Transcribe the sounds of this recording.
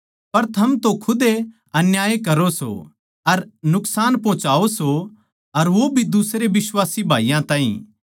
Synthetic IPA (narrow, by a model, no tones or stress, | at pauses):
pɐɾt̪ʰɐmt̪õkʰʊd̪e | ɐnjaːjekɐɾoso̰ | ɐɾnʊksaːnpɔ̃ːt͡ʃaːoso | ɐɾʋobʱid̪usɾeʋɪswaːsibʱaːijãt̪ãːɦḭ̃